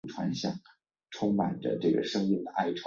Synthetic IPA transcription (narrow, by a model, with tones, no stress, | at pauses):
ʈ͡ʂʰwa̰˧˥nɕjɑ̰˥˩ŋ | ʈ͡ʂʰʊ˥ŋma˨˩ndə̰˦ʈ͡ʂɤ˥˩ɡə̰˩ʂɤ˥ŋmi˥˩nd̪ə˩ʔa˥˩ɪʈ͡ʂʰw